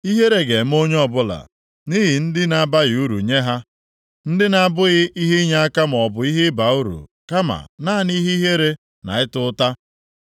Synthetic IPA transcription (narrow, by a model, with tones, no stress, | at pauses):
i˦ɦe˦ɾe˨ɡe˨m̩˦o˦ɲ˦ɔ˦bʊ˦la̰˨ | ni˦ɦɪ˨n̩˦dɪ˦na˦˨ba˦ɣɪ˨u˦ɾṵ˨ɲe˦ɦa˦ | n̩˦dɪ˦na˨a˨bʊ˦ɣɪ˦ʔi˦ɦi˦ɲa˦a˦ka˦m˨ɔ˨bʊ˨i˦ɦɪ˦ba˨u˦ɾṵ˨ka˦ma̰˨naː˦˨ni˦ɦi˦ɦe˦ɾe˦ | na̰˨ɪ˦tʊ˦ta˦